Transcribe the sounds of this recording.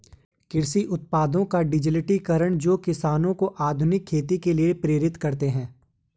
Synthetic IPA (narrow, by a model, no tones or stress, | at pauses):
kɪɾsiʔʊt̪̚paːd̪õkaɖɪd͡ʒɪlɪʈikɐɾəɳ̃d͡ʒoːkɪsaːnõkoʔaːd̪ʱʊnɪkʰːeːt̪̬ikeliepɾeːɾɪt̪kɐɾt̪eɦɛ̃ː